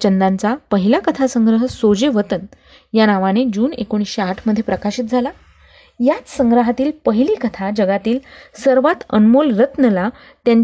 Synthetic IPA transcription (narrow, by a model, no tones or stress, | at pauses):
t͡ɕənd̪ant͡sapəɦilakət̪ʰasəŋɡɾəɦəsod͡ʑeʋət̪ən | janaʋañed͡ʑuːnḛkoɽ̃isɕeaʈʰməd̪ʱːjepɾəkaɕiːt̪̚d͡zʱala | jat͡ssə̃ŋɡɾəɦat̪iːlpəɦiliːkət̪ʰad͡ʑəɡat̪iːlsəɾʋat̪ə̰nmolɾət̪nəla | t̪jãɲ